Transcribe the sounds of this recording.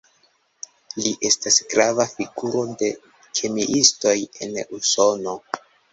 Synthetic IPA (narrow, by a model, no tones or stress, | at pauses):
liʔe̞stasɡ̥ɾavafiɡuɾo̞de̞ | kʰe̞miʔisto̞je̞̰nuso̞no̞